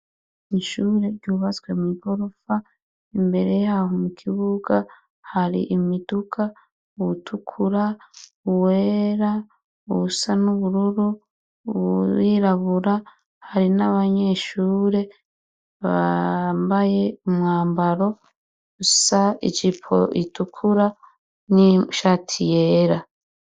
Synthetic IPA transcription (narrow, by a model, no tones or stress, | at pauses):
iʃuːɾe̞ɟuːβat͡swemiɡo̞ɾo̞fa | imbe̞ɾe̞jahomukʰiβuɡa | haɾḭʔimidukʰa | utʰukʰuɾa | uweːɾa | uβusanuβuɾuɾu | iɾaβuɾa | haɾinaβaɲe̞ʃuːɾe̞ | βambaje̞umŋaːmbaɾo̞ | usaid͡ʒipʰo̰ʔitukʰuɾa | niʃaːtʰijeːɾa